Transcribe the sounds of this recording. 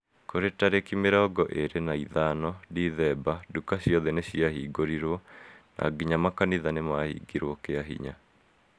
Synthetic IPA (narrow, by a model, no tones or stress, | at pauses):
koɾetaɾekimeɾɔːɡɔʔeɾenaiðanɔdiðɛbadukaɕjɔðɛneɕiahiːɡoɾiɾwɔna̰ːɡiɲamakaniðanemahḭɡiɾwɔkeaɦḭɲa